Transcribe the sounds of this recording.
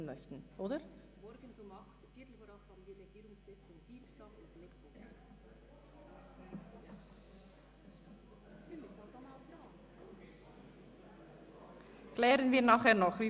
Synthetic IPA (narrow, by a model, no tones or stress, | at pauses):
n̩mœçtn̩ʔoːdə | mɔɾɡənzomɑχtfiːtl̩foːɾɑphɑːbən̩viːɾeɡiːɾʊŋsz̥ɪt͡sʊmd̥iːnstɑːkʊntmɪkv̥ɔχ | vimʏsn̩hɑd̥ɑnaʊfɾːɡ | klɛːʁənviːɐnaːχheːɐnɔχviː